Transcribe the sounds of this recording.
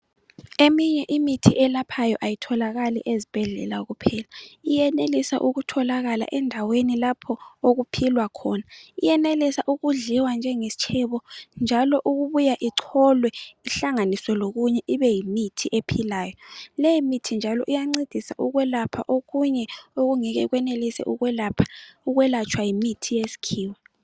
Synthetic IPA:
emiɲɛʔimitʰiʔɛlapʰajɔʔajitʰɔlaɣalḭʔezib̥ʱɛɮɛ̰laɣupʰɛːlaijɛnelisaʔuɣutʰɔlaɣala̰ʔɛndʱawenilapʰɔoɣupʰilwakʰɔːnaijɛnelisaʔuɣuɮiwand͡ʒʱɛŋesi̥t͡ʃʰɛβɔnd͡ʒʱalɔʔuɣuβujaʔiǀʰɔlwɛiɬaŋanisɔloɣuɲɛʔiβɛjimitʰiʔepʰilaːjɔlejimitʰind͡ʒʱalɔʔijaŋ͡ǀid̥ʱisa̰ʔuɣwɛlapʰa̰ʔoɣuɲɛoɣuŋɛɣɛɣwɛnelisɛ̰ʔuɣwɛlapʰḁuɣwɛlat͡ʃʰʼwajimitʰijesi̥kʰiːwɛ

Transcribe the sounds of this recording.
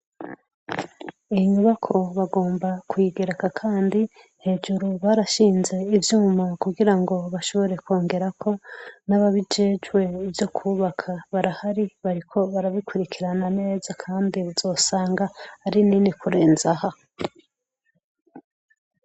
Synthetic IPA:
iiɲuβakʰo̞βaɡo̞ːmbakwiɡe̞ɾekakʰaːndi | he̞ːd͡ʒuɾuβaːɾaʃiːnze̞ivjuːmakuɡiɾaŋɡo̞βaʃo̞βo̞ɾe̞kwo̞ːŋɡe̞ɾakʰo̞naβaβid͡ʒe̞d͡ʒwe̞ivjo̞kʰuːβakʰaβaɾahaɾiβaɾikʰo̞βaɾaβikuɾikiɾanane̞ːzakʰaːndiβuzo̞ːsaːŋɡaːɾininikuɾe̞ːnzaha

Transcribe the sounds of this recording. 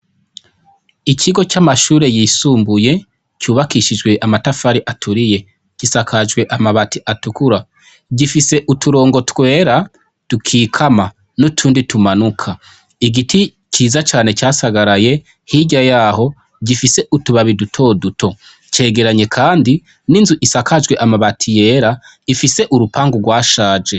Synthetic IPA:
icʰiɡo̞camaʃuːɾe̞jisuːmbuje̞ | cuːβakiʃid͡ʒɡwe̞ʔamatafaɾiʔatʰuɾije̞ | cisakʰad͡ʒɡwe̞ʔamaβatʰiʔatukuɾa | ɟifise̞ʔutuɾo̞ːŋɡo̞twe̞ːɾa | tukʰiːkʰama | nutʰuːnditumanukʰa | iɡitʰi | ciːzat͡ʃaːne̞caːsaɡaɾaje̞ | hiɟajaːho̞ | ɟifise̞ʔutuβaβidutʰo̞dutʰo̞ | ce̞ːɡe̞ɾaɲe̞kʰaːndi | ninzuʔisakʰad͡ʒɡwe̞ʔamaβatʰije̞ːɾa | ifise̞ʔuɾupʰaːŋɡuɡwaːʃaːd͡ʒe̞

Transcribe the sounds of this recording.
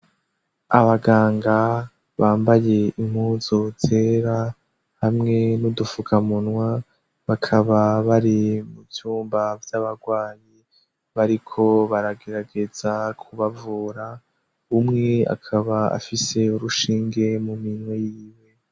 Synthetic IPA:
aβaɡaːŋɡa | βaːmbaje̞im̥huːzotʰeːɾa | hamŋe̞nudufukʰamunwa | βakʰaβaβaɾimuvjuːmbavjaβaɡwaːɲi | βaɾikʰo̞βaɾaɡe̞ɾaɡe̞z̥akʰuβavuɾa | umŋe̞a̰kʰaβaa̰fise̞uɾuʃiːŋɡe̞muminwejiːwe̞

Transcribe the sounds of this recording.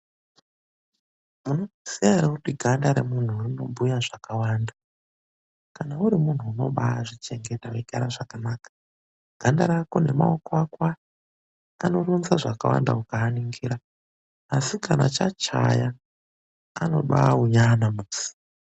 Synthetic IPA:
munosiaɾakutiɡʱandaɾemun̤uːrino̞bʱujaʐakawaːnda | kanauɾimun̤uuno̞̰ɓaːʐit͡ʃe̞ŋɡe̞taweɡa̰ɾaʐakanaːkḁ | ɡ̥ʱandaɾakone̞maokoakwa | ano̞ronzaʐaka̰wa̰nda̰ukaːniŋɡiɾaː | sikana̰t͡ʃat͡ʃa̰jaː | no̰ɓa̰uɲanamuːzi̥

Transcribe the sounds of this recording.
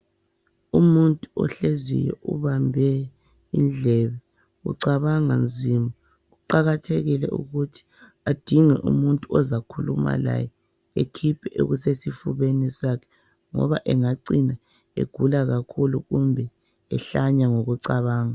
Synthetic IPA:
umuntʼuɔ̰ɬezḭjɛʔṵβambʱɛ | ḭnɮʱɛβɛ | ṵǀaβaŋand͡zʱima | uǃaɣatʰeɣilɛ̰ʔṵɣutʰi̥ | ad̥ʱiŋɛ̰ʔṵmuntʼuɔzakʰuluma̰la̰jɛ | ekʰipʰɛʔeo̰ɣusesifuβenisakʰɛ̥ | ŋɔ̰βaʔɛŋaǀina | ḛɡ̥ʱulaɣakʰuluɣumbʱɛ | ɛɬaɲaŋoɣuǀaβaːŋa

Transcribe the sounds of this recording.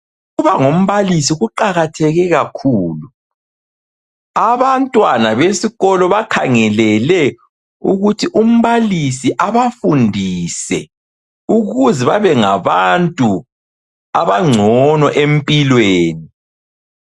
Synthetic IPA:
uβaŋom̩βalisiɣuǃaɣatʰɛɣɛɣakʰuːlu | aβantʼwanaβesiɣɔlɔβakʰaŋɛlɛlɛ | uɣutʰiʔum̩βalisiʔaβafundʱisɛ̰ | uɣuzɛβaβɛŋaβantʼu | aβaŋ͡ǀʱɔnɔʔempʼilweːni

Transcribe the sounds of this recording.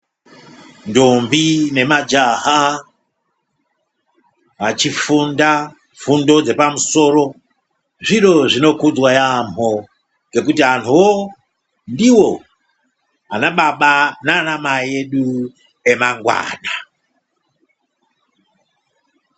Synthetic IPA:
ndombine̞mad͡ʒaɦa | ʋat͡ʃifunda | fundo̞d͡ze̞pamuso̞ɾo̞ | ʐiɾo̞ʐino̞kud͡zwajamo | ŋɡe̞kutiɦantʰuwo | ndiwo̞ | anaɓaɓananamaje̞ɗu | e̞maŋɡwa̰ːna

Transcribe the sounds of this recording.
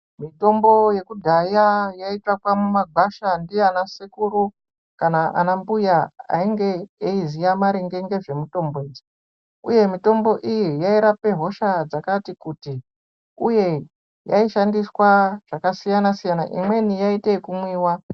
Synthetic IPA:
mito̞mbo̞je̞kudʱajajaitwakwamumaɡʱaʃandijeanasikuɾu | kanaʔa̰nambujaa̰iŋɡe̞eizijamaɾiŋɡe̞ŋɡe̞ʐe̞muto̞mboed͡zi | ṵje̞mito̞mbo̞ʔijijaiɾape̞ɦo̞ʃad͡zakatikuti | uje̞ | jaiʃandiswaʐ̥akasijanasijana̰ʔḭmwe̞nijaitekumwiːwa

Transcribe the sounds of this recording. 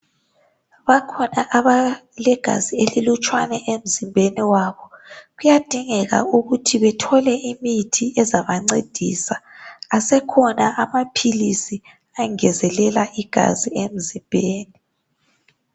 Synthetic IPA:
βakʰɔnaʔaβalɛɡ̥ʱa̰zielilut͡ʃʼwanɛʔem̩zimbʱeniwaβɔɣujad̥ʱiŋɛɣa̰uɣutʰiβɛtʰɔlɛʔimitʰiɛzaβaŋ͡ǀed̥ʱḭsaasɛkʰɔnaʔamapʰilisi | aŋɛzɛlɛlaʔiɡ̥ʱa̰ziem̩zimbʱeːni

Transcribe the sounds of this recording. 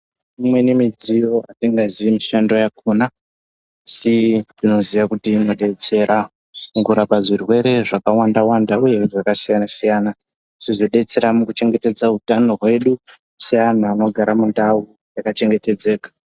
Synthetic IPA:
imwe̞nemid͡zijo̞atiŋɡaziimiʃando̞jakʰunaː | sidino̞ziʋakutinoɗe̞t͡se̞ɾʔa | mukuɾapaʐirwe̞ɾe̞ʐakawandawandauje̞ʐakasijanasijaːna | ʐ̥izoɗe̞t͡se̞ɾamukut͡ʃe̞ŋɡe̞te̞d͡zautano̞rwe̞ɗu | sijanaːno̞ɡʱaɾamundau | jakat͡ʃe̞ŋɡe̞te̞d͡ze̞ːkḁ

